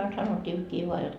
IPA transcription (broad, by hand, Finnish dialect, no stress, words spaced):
ɑin sɑnotʲːiːkːiː ʋoɑ jot